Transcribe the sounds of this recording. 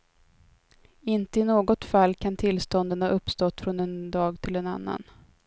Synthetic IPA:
ɪnt̪əɪnoːɡɔt̪falːkʰant̪ʰɪlst̪ɔnd̪ənaʔɵpːst̪ɔt̪ːfɾɔnɛnd̪ɑːɡt̪ʰɪlɛna̰nːa̰n

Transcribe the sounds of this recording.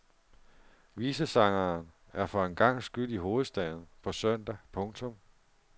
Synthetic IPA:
ʋiːsəsɑ̈ŋɐːn | æɐfɒ̽enɡ̥ɑ̈ŋ̰sɡ̥yl̰iɦo̝ːð̩ˠsd̥ɛð̩ˠpʰɒ̽sœn̰d̥æpʰɔ̽ŋt͡sʰɔ̽m

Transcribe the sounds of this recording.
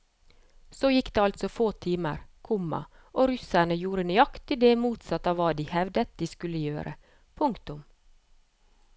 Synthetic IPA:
soːjɪkːd̪eːɑlt̪sɔfoːt̪ʰiːmə̰ɾkʰʊmːɑ̰ | ʔoːɾʏsæɳəjuːɾənʏɑkt̪ʰɪd̪eːmuːt̪sɑt̪ɑːʋːɑːd̪iːhɛʋd̪ət̪̚d̪iːskʉləjøːɾʔə̰ | pʰʊŋkt̪ʊm

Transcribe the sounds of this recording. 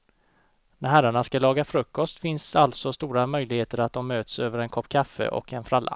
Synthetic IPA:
næɾɦæɾːaɳaskalɑːɡafɾɵkːɔst̪fɪnsalt̪sɔst̪uːɾamœjlɪɡheːt̪əɾat̪̚d̪ɔmːøːt̪søːvəɾɛnkʰɔpːkʰafːə̰ʔɔ̰kɛnfɾalːa̰

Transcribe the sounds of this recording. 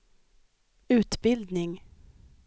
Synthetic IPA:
ʉ̟ːt̪bɪld̪nɪŋ

